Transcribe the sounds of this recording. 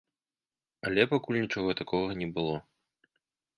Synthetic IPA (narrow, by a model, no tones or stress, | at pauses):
ɐlʲɛpakulʲnʲit͡ʂɔɣɔt̪akɔɣɐnʲɛbɨlˠɔ